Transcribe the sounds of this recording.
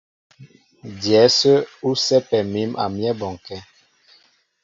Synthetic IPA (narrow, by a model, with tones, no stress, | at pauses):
djɛ˨˦sə˦u˦sɛ˦pɛ˨mi˦mʔa̰˨mjɛ˦bɔ˨ŋ˨kɛ˦